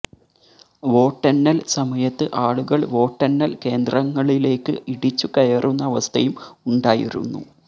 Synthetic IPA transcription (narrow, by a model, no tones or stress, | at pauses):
ʋo̞ːʈːɐnːɐlsɐmɐjɐt̪ːɨʔaːɭuɣɐɭʋo̞ːʈːɐnːɐlke̞ːnd̪rɐŋːɐɭile̞ːkːɨiɽit͡ɕːukɐjɐrʔunːɐːʋɐst̪ʰɐjumuɳɖaːjḭɾṵnːṵ